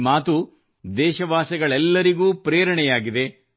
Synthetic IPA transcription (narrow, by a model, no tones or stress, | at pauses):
maːt̪u | d̪ɛːʃɐʋaːsɐɡɐɭɛlːɐɾiɡuːpɾeːɾɐɳɛjaːɡid̪e̞